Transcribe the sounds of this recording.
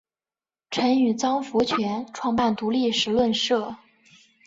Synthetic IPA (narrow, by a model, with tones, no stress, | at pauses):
ʈ͡ʂʰə˧˥ny˨˩t͡sɑ˥ŋfu˧˥t͡ɕʰɥɛ˧˥nʈ͡ʂʰwɑ˥˧ŋpa˥˩nt̪u˧˥li˥˩ʂɻ̩˧˥lwə˥˧nʂɤ˥˩